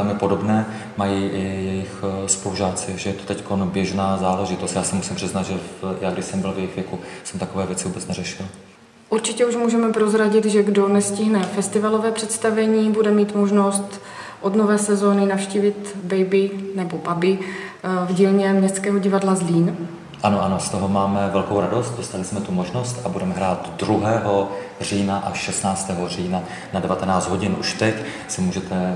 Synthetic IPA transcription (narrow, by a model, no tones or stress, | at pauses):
ɛlmɪpodobnɛː | majiːɪjɛjɪxspoluʒaːt͡sɪʒɛjɛt̪o̥t̪ɛckonbjɛʒnaːzaːlɛʒɪt̪ost̪jaːsɛmusɪmpr̥ɪznad̪ʒɛjaːɡdɪʃsɛmbɪlvjɛjɪxvjɛkusɛmt̪akovɛːvjɛt͡sɪvuːbɛt͡snɛrɛʃɪl | ʔuɾt͡ʃɪcɛuʒmuːʒɛmɛpɾozɾaɟɪt̪ʒɛɡdo̞nɛscɪɦnɛfɛst̪ɪvalo̞vɛːpr̝̥ɛt̪st̪avɛɲiːbudɛmiːt̪moʒnost̪ | ʔo̞dnovɛːsɛzoːnɪnafʃciːvɪt̪bɛjbɪnɛbobabɪ | vɟiːlɲɛmɲɛst̪t͡skɛːɦoɟɪvadlazliːn | ʔanoʔano̞st̪oɦomaːmɛvɛlkowɾado̞st̪̚dost̪alɪsmɛt̪umoʒnost̪abudɛmɛɦɾaːt̪dɾuɦɛːɦo̞ | r̝iːnaʔaʃɛst̪naːt͡st̪ɛːɦoriːna | nadɛvat̪ɛnaːt͡sd̪ɦo̞ɟɪnʔuʃt̪ɛc | sɛmuːʒɛt̪ɛ